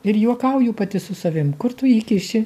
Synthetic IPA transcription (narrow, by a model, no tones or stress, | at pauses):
ɪɾjuɔkɐʊjuːpɐt̪ʲɪsʊsɐʋʲɪmkʊɾt̪ʊiːkʲɪʃʲɪ